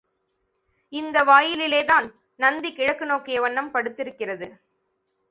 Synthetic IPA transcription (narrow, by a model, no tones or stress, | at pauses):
ɪnd̪ɐʋaːjɪlɪleːðaːn | nɐnd̪ikɪɻɐkːɯnoːkːɪjɐʋɐɳːɐmpɐɽɯt̪ːɪɾɯkːɪrɐðɯ